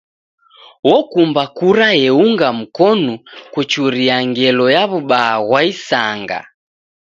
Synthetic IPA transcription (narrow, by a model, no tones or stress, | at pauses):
wɔkumbakuɾajɛuŋɡam̩kɔnukut͡ʃuɾiaŋɡɛlɔjaβuɓaːɣwaisaŋɡa̰